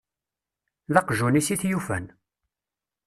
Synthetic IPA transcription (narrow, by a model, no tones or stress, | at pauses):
ðɑqʒunisiθjufæ̰n